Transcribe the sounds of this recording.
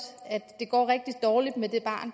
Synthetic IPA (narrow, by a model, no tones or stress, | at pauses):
æd̥ːe̝ɡ̥ɒ̰ːʁɛɡ̥̚d̥id̥ːɒːlid̥med̥e̝b̥ɑ̰̈ːn